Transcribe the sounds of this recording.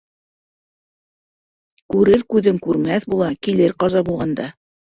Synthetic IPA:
kʉɾɘɾkʉðɘŋkʉɾmæθbulˠɑkilɘɾqɑzɑbulˠʁɑnd̪ɑ

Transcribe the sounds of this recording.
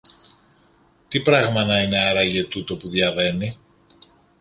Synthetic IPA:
t̪ipɾɐɣmɐnɐine̞ɐɾɐʝet̪ut̪o̞puðjɐve̞ni

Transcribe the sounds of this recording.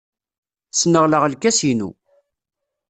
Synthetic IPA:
snəʁləʁəlkæsinṵ

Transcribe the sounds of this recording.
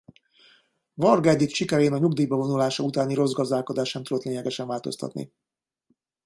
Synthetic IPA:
vɒrɡɛd̪ik̪ʃikɛɾeːnɒɲuɡd̪iːjbɒvo̞nulaːʃɒut̪aːniɾo̞zɡɒzd̪aːlko̞d̪aːʃnɛmt̪ud̪ot̪leːɲɛɡɛʃɛnvaːlt̪o̞̰st̪ɒ̰t̪nḭ

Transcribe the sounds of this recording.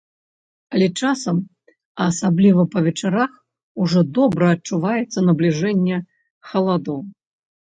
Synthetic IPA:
ɐlʲɛt͡ʂasɐm | ɐːsablʲivɐpɐvʲɛt͡ʂaɾax | uʐɔd̪ɔbɾɐːt͡ʂuvajɛt̪sːɐnɐblʲiʐɛnʲːɛ | xɐlˠad̪ɔw

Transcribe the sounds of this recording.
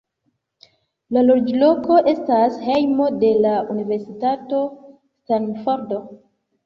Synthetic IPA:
lalod͡ʒlo̞ko̞ʔe̞stashejmo̞de̞laʔunive̞ɾsitato̞ | stanfoɾdo

